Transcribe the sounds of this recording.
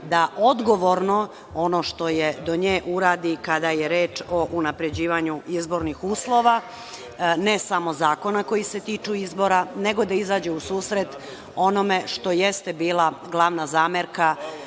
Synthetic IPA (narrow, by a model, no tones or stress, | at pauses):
d̪aʔod̪ɡoʋo̞ɾno | o̞no̞ʃt̪o̞jed̪o̞ɲeːʔuɾaːd̪ikad̪ajeɾe̞ːt͡ʃo̞ʔunapɾe̞d͡ʑiːʋaɲuizbo̞ɾnixuːslˠo̞ʋa | nesamo̞zaːko̞nako̞jise̞t̪iːt͡ʃuizbo̞ɾane̞ɡo̞d̪aizaːd͡ʑeusuːsɾet̪ | o̞no̞me̞ʃt̪o̞jest̪e̞biːlˠaɡlˠaʋnazaːmeɾka